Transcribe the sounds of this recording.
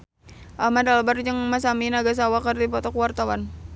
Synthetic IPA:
ʔamadalbard͡ʒəŋmas̬aminaɡas̬awakərdipɔt̪ɔkuwart̪awan

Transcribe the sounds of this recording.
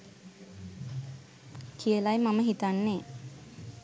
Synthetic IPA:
kʰijəlajmaməɦit̪anːeː

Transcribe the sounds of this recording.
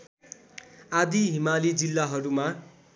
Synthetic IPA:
ad̪iɦimalid͡zilːaɦʌɾuma

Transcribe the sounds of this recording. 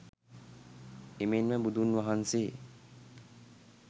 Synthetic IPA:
emenmɛbud̪ʱunʋaɦanseː

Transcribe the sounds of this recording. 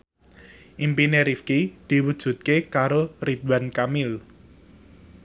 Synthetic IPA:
ʔimpineɾifkid̪̥i̤wud̥ʒ̥ṳt̪̚kekaɾorid̪̚wankamɪl

